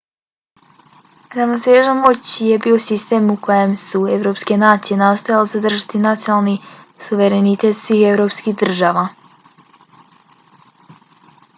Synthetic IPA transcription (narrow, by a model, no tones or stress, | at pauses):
ɾavnoseːʒanmot͡ɕje̞biːo̞sist̪e̞ːmukojemsue̞ʋɾo̞ːpske̞naːt̪sije̞nast̪ojalezad̪r̩ʒat̪inat̪sijonalˠni | suʋe̞ɾenit̪e̞t̪sʋiːxe̞vɾo̞ːpskiɦd̪r̩ʒaːʋa